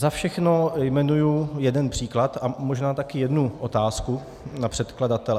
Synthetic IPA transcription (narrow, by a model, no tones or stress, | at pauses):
zafʃɛxnojmɛnujujɛdɛnpr̥iːklat̪amoʒnaːt̪akɪjɛdnuʔot̪aːsku | napr̥ɛt̪kladat̪ɛlɛ